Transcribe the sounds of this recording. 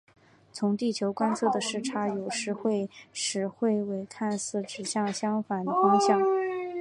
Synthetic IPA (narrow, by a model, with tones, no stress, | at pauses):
t͡sʰʊ˧˥ŋt̪i˥˩t͡ɕʰjo˧˥ʊkwa˥nt͡sʰɤ˥˩d̪ə˩ʂɻ̩˥˩ʈ͡ʂʰa˧˥jo˨˩ʊʂɻ̩˧˥xwe˥˩ɪʂɻ̩˧˥xwe˥˩ɪwe˧˥ɪkʰa˥˧nsɹ̩˥˩ʈ͡ʂɻ̩˨˩ɕjɑ˥˩ŋɕjɑ˥ŋfa˨˩nd̪ə˦fɑ˥ŋɕjɑ˨˩˦ŋ